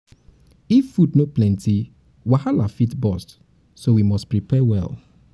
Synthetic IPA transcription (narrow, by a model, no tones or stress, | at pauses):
ifːudnoplɛ̃ntʰi | wahalafitbɔst | sowimɔstpɹipʰɛwɛ̰lˠ